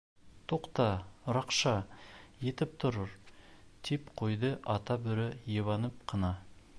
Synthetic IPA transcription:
t̪ʰoqt̪ɑɾɑqʃɑje̞t̪ɪp̚t̪ʰʊɾəɾt̪ʰepqʰojd̪əʔɑt̪ɑbɵ̆ɾɪjeβɑnəp̚qʰənɑ

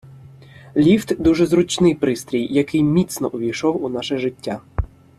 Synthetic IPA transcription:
lʲiwt̪d̪uʒɛzɾʊt͡ʃnɪjpɾɪst̪ɾʲijːɐkɪjmʲit̪snɔʔʊʋʲijʃɔwunɑʃɛʒɪtʲːa

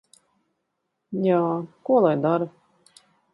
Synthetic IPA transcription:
jaːkuɔlˠajd̪aɾu

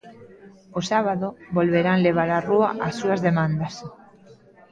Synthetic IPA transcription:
osaβaðobolβeɾanleβ̞aɾarua̰ʔasːuazðemãnd̪as

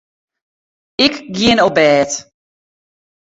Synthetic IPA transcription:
ɪkɡjɪənobɛːt

